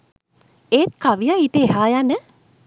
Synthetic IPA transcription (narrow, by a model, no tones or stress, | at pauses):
eːt̪̚kaʋijaiʈəeɦaːjanə